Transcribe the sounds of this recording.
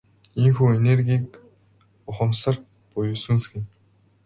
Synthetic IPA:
iŋxuːenerɡʲiːk | ʊχə̆msə̆r | pʊjʊsɘ̆nsɡĭ

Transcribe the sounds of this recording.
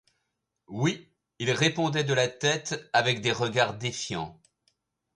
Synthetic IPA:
wi | ilʁepɔ̃d̪ɛd̪əlat̪ɛt̪avɛkd̪eʁəɡaʁd̪efjɑ̰̃

